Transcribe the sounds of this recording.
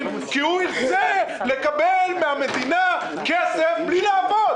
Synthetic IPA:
kiuiʁse | lekabelmehamed̪ina | kesefblilaːvod

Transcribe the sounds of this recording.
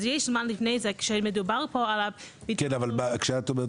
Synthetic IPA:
zjeɪʃlˠmanlɪfneɪzɛkʃemədubaʁpɔalabikɛnavalbakʃatobɛ

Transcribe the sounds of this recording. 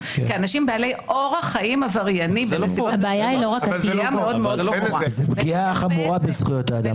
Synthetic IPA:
keanaʃimbealejʔo̞ʁaχaimavaʁjanimbensiabeajailoʁakɡiameo̞d̪meod̪loʁazebɡiaχamuʁabezχujot̪aːd̪am

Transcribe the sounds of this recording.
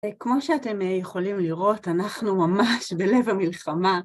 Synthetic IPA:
kmo̞ʃeate̞mjeχo̞limliʁo̞tanaχnumamaʃbe̞le̞vamilχama

